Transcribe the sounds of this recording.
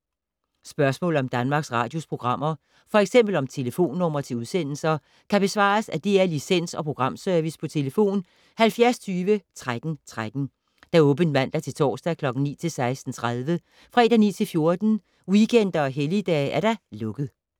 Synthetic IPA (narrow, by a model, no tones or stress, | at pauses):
sb̥ɶɐsmɔ̰̽ːl̩ˠɒ̽md̥ænmɑ̈ːɡ̥sʁɑ̈ːd̥jo̝spʰʁo̝ɡ̥ʁɑ̈m̰ɐ | fɒ̽eɡ̥sem̰b̥l̩ɒ̽mt͡sʰe̝ləfo̝̰ːnːɔ̽m̰ɐt͡sʰe̝uðˠsen̰l̩sɐ | kʰæb̥e̝sʋɑ̰̈ːsæd̥eæɐlisen̰sɒ̽pʰʁo̝ɡ̥ʁɑ̈m̰søɐʋispʰɒ̽t͡sʰe̝ləfo̝̰ːn | hælfjæɐst͡sʰyːʋət͡sʰʁad̥n̩t͡sʰʁad̥n̩ | d̥æ̈ɔ̽ːb̥ənmæn̰d̥æt͡sʰe̝lt͡sʰɒ̰ːsd̥ækʰlɒ̽ɡ̥n̩nḭːt͡sʰe̝lsɑ̈ɪsd̥n̩t͡sʰʁað̞ˠʋə | fʁɛd̥ænḭːt͡sʰe̝lfjo̝ɐd̥n̩ | wikʰen̰d̥ɐɒ̽ɦelid̥ɛ̰ːʔæɐɾ̥ɑ̈lɔ̽ɡ̥ð̩ˠ